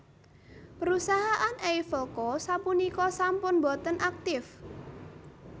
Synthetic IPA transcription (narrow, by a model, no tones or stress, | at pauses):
pəɾusaɦaʔanejfəlkɔsapunikɔsampʊnbɔ̤t̪ənʔak̚t̪ɪf